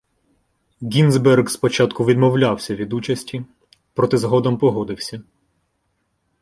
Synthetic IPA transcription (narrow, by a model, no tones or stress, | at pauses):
ɡʲinzbɛrɡspɔt͡ʃɑt̪kʊʋʲid̪mɔwlʲawsʲɐʋʲid̪ut͡ʃɐsʲtʲi | pɾɔt̪ɪzɦɔd̪ɔmpɔɦɔd̪ɪwsʲɐ